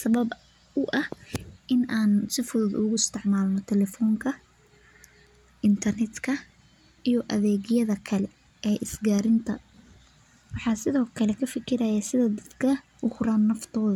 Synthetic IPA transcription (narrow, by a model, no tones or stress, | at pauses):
sɐβɐb | ʊʔɐhʔɪnaːnsɪfʊðd̪ʊɣʊɪst̪ʰɪʕmaːlnɔt̪ʰɛlɛfɔːŋkʰɐ | ʔɪnt̪ʰɐrnɛd̪kʰɐ | ijɔʔɐðɛːɣɪjɐðɐkʰɐlɛ | ɛːʔɪsɡaːɾɪnt̪ʰɐ̰ | wɑħɑːsɪðɔːkʰɐlɛkʰɐfɪkʰɪɾɐjɐsɪðɐd̪ɐd̪kʰɐ | ʔʊhɾaːnːɐft̪ʰɔːðɐ